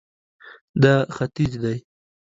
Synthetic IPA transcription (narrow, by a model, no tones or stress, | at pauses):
d̪axat̪izd̪aj